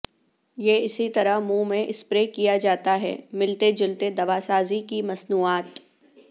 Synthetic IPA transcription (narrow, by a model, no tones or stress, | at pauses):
jeːɪsit̪ɐɾəɦmũːmẽʔɪspɾekijad͡ʒaːt̪aɦɛ̰ːmɪlt̪ed͡ʒʊlt̪ed̪ɐʋasaːzikimɐsnuːaːt̪